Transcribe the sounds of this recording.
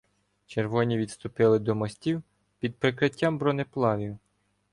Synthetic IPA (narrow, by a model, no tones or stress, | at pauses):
t͡ʃerʋɔnʲiʋʲid̪st̪ʊpɪlˠɪd̪ɔmɔsʲtʲiw | pʲid̪̚pɾɪkɾɪtʲːambɾɔneplˠɑʋʲiw